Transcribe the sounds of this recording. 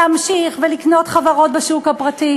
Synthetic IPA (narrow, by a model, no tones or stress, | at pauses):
amʃiχvelikno̞tχavaʁo̞tbeʃukhapʁati